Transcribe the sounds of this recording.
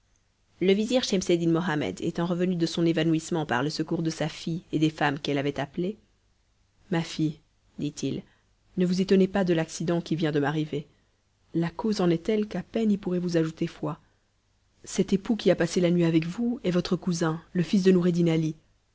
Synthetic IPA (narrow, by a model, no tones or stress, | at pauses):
ləviziʁʃɛmsed̪inmɔɦamɛ̰d̪ḛt̪ɑ̃ʁəvənyd̪əsɔ̃nevanuismɑ̃pa̰ʁləsəkuʁd̪əsafied̪efamkɛlavɛt̪aple | mafij | d̪it̪ʰil | nəvuzet̪ɔnepad̪əlaksid̪ɑ̃kʲivjɛ̃d̪əmaʁive | lakozɑ̃nɛt̪ɛlkapɛnilpuʁɛvuzaʒut̪efwa | sɛt̪epukʲiapaselanɥiavɛkvuɛvɔt̪χəkuzɛ̃ləfis̬d̪ənuʁed̪inali